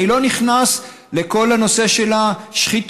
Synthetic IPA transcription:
ilo̞niχnas | le̞ko̞lano̞se̞ʃe̞laʃχit

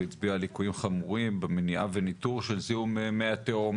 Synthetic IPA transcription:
it͡sbialikujimχamuʁimbemeniʔavenit̪uʁʃelziumemeat̪eom

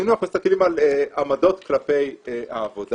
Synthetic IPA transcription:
inuamist̪akelimaleamado̞t̪klape̞ja̰ːvod

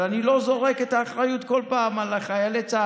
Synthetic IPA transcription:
anilo̞zo̞ʁe̞ket̪aːχʁajut̪ko̞lpaːmalaχajelet͡sa

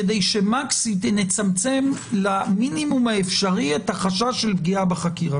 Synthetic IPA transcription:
edejʃe̞maksit̪net͡samt͡se̞mlaminimumaefʃaʁiet̪haχaʃaʃe̞lbɡiabeχakiʁa

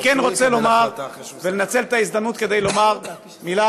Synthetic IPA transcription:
kenʁo̞t͡selo̞maʁvelenat͡se̞lt̪aizd̪amnut̪ke̞d̪ejlo̞maʁ | mila

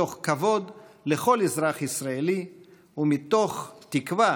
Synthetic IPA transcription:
o̞χkavo̞d̪leχo̞lezɾaχisɾaeli | umit̪o̞χt̪ikva

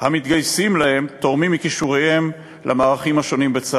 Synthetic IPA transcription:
hamit̪ɡajsimlahe̞mt̪o̞mimːikiʃuʁehe̞m | lʔamaːʁaχimhaʃo̞nimbet͡sa

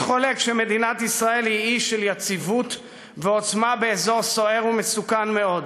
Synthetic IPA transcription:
χo̞le̞kʃeme̞d̪inat̪isʁae̞lhiiʃeljat͡sivut̪ | veo̞t͡smabe̞ːzo̞ʁso̞e̞ʁumesukanme̞o̞d̪

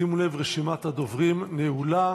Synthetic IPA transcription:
imule̞vʁeʃimat̪had̪o̞vʁimneula

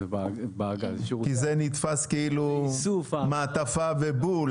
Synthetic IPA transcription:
baɡkizenit̪faskeilusumaːt̪afavebul

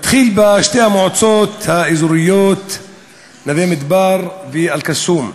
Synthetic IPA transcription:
at̪χiːlbaʃt̪ehamoʕot͡soːt̪haʔizuɾɪjoːt̪ | navemɪd̪baːɾˤvialkasuːm

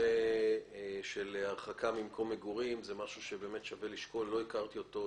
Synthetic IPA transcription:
e | ʃelhaʁχakabimkʰo̞mːeɡuʁimzemaʃuʃe̞be̞ːme̞t̪ʃave̞liʃko̞lːo̞ikaʁt̪io̞t̪o

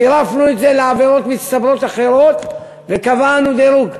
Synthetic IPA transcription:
iɾafnuet̪ze̞leaveɾo̞t̪mist̪abɾo̞t̪aχe̞ɾo̞t̪ | vekavanud̪eɾuɡ

